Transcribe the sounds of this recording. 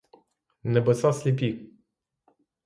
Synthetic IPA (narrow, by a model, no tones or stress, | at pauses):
nɛbɛsasʲlʲipʲik̚